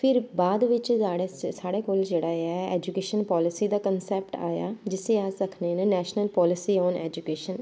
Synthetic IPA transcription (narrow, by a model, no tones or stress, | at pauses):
pʰɪɾbaːd̪ʋɪt͡ʃaːɽeːsaːɽeːkoːld͡ʒeːɽaːeaaɛːd͡ʒukeːʃənpɔːlɪsiːd̪aːkənsɛːp̚ʈa̰ːja̰ːd͡ʒɪseːaːsəkʰneːnenɛːʃnəlpɔːlɪsiːɔːnɛ̰ːd͡ʒukeːʃən